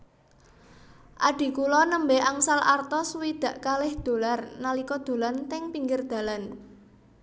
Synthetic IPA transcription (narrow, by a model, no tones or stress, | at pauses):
ʔaɖ̪̥i̤kulɔnəmbɛaŋsalart̪ɔswid̪̥ä̤ʔkalɪhd̪̥o̤larnalikɔd̪̥o̤lant̪ɪŋpiŋɡɪrd̪̥a̤lan